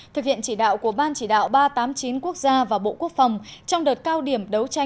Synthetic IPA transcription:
t̪ʰɨ˨˩k̚hi˧˨ənt͡ɕi˧˩ɗa̰ː˧˨wku˧˩əɓaː˧nt͡ɕi˧˩ɗa̰ː˧˨wɓaː˧t̪aː˨˦mt͡ɕi˨˦nku˦˥ək̚zaː˧vaː˨˩ɓo̰˧˨ku˦˥ək̚fa˨˩wŋ͡mt͡ɕɔ˧wŋ͡mɗəː˨˩t̚kaː˧wɗi˧˩əmɗə˨˦wt͡ɕa˧

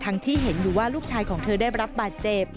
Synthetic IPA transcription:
t̪ʰa˦˥ŋt̪ʰiː˥˩ɦe˩˦njuː˨˩waː˥˩luː˥˩k̚t͡ɕʰaː˧jkʰɔː˩˦ŋt̪ʰɤː˧daː˥˩jɾa˦˥p̚baː˨˩t̪̚t͡ɕe˨˩p

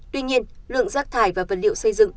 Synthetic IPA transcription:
t̪wi˧ɲi˧ənlɨ̰˧˨əŋzaː˦˥k̚t̪ʰaː˧˩jvaː˨˩və˨˩t̚lḭ˧˨əwsə˧jzɨ̰˧˨ŋ

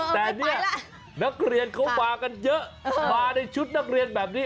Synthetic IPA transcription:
t̪ɛː˨˩ni˨˦˥ə | nɨ˦˥k̚ri˧ənko˧˦ŋ͡mɓaː˧˩kə˧nɲə˦˥ʔvaː˧nə˧jt͡ɕu˦˥t̚na˦˥k̚ri˧ənɓɛː˨˩p̚ni˨˦

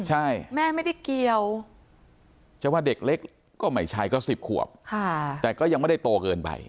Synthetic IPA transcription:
t͡ɕʰa˥˩jmɛː˥˩ma˥˩jda˥˩jki˧əw | t͡ɕʰa˥˩˦wa˥˩de˨˩k̚le˦˥k̚ | kːɔː˥˩ma˦˥˩jt͡ɕʰa˧jkɔː˥˩si˨˩p̚kʰu˨˩əp̚kʰa˥˩t̪ɛː˨˩kɔː˥˩ja˧ŋm˥˩jda˥˩jt̪oː˧kɤː˧npa̰˧j

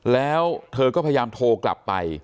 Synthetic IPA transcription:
lɛː˦˥wt̪ʰɤː˧kɔː˥˩pʰa˧ja˧jaː˧mt̪ʰoː˧kla̰˨˩pːa̰˧j

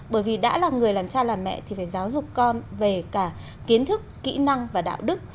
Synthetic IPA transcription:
ɓəː˧˩jvi˨˩ɗa̰ː˧˥laː˨˩ŋɨ˨˩əjlaː˨˩mt͡ɕaː˧laː˨˩mːɛ̰˧˨t̪ʰi˨˩faː˧˩jzaː˨˦wzʊ˨˩k͡p̚kɔ˧nve˨˩kaː˧˩ | ki˨˦ənt̪ʰɨ˦˥kːḭ˧˥na˧ŋvaː˨˩ɗa̰ː˧˨wɗɨ˦˥k̚

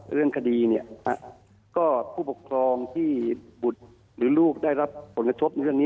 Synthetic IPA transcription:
ɾɯ˥˩əŋkʰa˧diː˧ni˥˩əa̰˧˩ | kɔː˥˩pʰuː˥˩po˨˩kʰɾɔː˧ŋt̪ʰiː˥˩bu˨˩t̪̚ | ɾɯː˩˦luː˥˩k̚daː˥˩jɾa˦˥p̚pʰːo˩˦nka˧t̪ʰo˦˥p̚na˧ɾɯ˥˩əŋniː˦˥

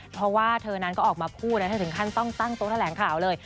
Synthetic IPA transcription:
pʰɾɔ˦˥waː˥˩t̪ʰɤː˧na˧˦˥nkɔː˥˩ʔɔː˨˩k̚maː˧pʰuː˥˩t̪̚na˦˥tʰa˥˩t̪ɯ˩˦ŋkʰa˥˩nt̪ɔ˥˩ŋt̪a˥˩ŋt̪oː˦˥t̪ʰa˧lɛː˩˦ŋkʰaː˩˦wlɤː˧j

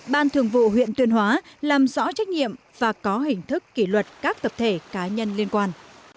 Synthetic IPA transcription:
ɓaː˧nt̪ʰɨ˨˧˩əŋvṵ˧˨ɦwḭ˧˨ənt̪wi˧ənɦwaː˨˦laː˨˩mzɔ̰˧˥t͡ɕa˦˥k̟̚ɲḭ˧˨əm | vaː˨˩kɔ˨˦ɦï˨˩ŋ̟t̪ʰɨ˦˥kːi˧˩lwə˨˩t̚kaː˦˥k̚t̪ə˨˩p̚t̪ʰe˧˩kaː˨˦ɲə˧nli˧ənkwaː˧n

